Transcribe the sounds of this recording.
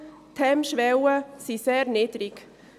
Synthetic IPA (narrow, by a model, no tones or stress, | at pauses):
t̪ʰɛmʃʋɛwəsiseːɾnɪd̥ɾik